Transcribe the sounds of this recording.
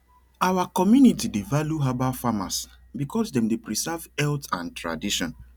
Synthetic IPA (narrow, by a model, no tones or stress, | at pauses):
awakɔmjunitidevaljuɦabafama̰s | bikʰɔsdɛ̃mdepɹisɛvɛltãntʰɹa̰diʃɔ̃n